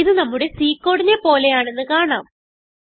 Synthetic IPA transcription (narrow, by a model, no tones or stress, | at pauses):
iðɨnɐmːuɽe̞siːkːo̞ːɽinepo̞ːle̞jaːɳe̞nːɨkaːɳa̰ːm